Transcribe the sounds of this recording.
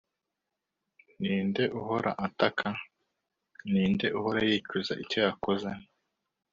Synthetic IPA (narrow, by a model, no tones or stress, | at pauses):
niːnde̞ʔuɦo̞ɾa̰ʔatakʰa | niːnde̞ʔuɦoɾajiːcuza̰ʔico̞jakoze